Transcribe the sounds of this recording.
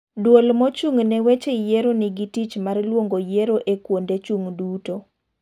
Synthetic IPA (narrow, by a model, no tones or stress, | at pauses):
dwolmɔt͡ʃuŋnɛwet͡ʃejeɾonɪɡitit͡ʃmarlwoŋɡojeɾoʔekwondet͡ʃuŋduto